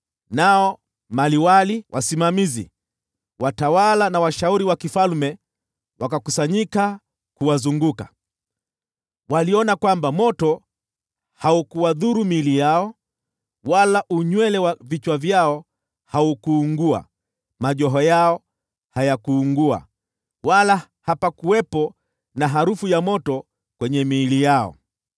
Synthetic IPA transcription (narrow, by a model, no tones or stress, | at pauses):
naɔ | maliwaliwʔa̰simamizḭ | watawalanawaʃauɾiwakifalmɛ | wakakusaɲika | kuwazuŋɡuka̰ | waliɔnakwambamɔtɔ | haukuwaðuɾumilijaɔ | walaʔuɲwɛlɛwavit͡ʃwavjaɔ | haukuːŋɡua̰ | maʄɔɦɔjaɔ | hajakuːŋɡua̰ | wala | hapakuwɛpɔ | naɦaɾufujamɔtɔ | kwɛɲɛmiːlijaɔ̰